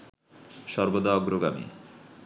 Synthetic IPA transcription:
ʃɔɾbod̪aɔɡɾoɡamḭ

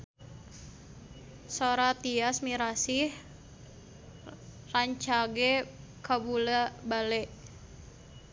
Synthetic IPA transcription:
soɾat̪iasmiɾasih | raɲt͡ʃaɡɛ | kabulabalɛʔ

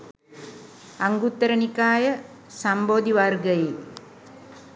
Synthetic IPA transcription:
aŋɡut̪ːəɾənikaːjə | samboːd̪iʋarɡəji

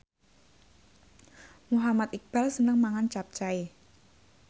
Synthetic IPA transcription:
muɦamat̪ik̚b̥a̤lsənəŋmaŋant͡ʃap̚t͡ʃae

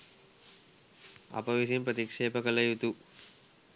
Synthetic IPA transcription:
ɐ̰pɐʋisimpɾɐt̪ikʂeːpɐkɐlɐjut̪u

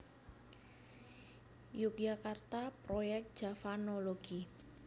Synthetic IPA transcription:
juk̚d͡ʒakart̪apɾojɛk̚t̪̚d̥ʒ̥afanoloɡ̥i

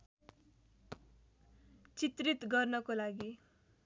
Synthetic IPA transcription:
t͡sit̪rit̪ɡʌrnʌkolaɡi

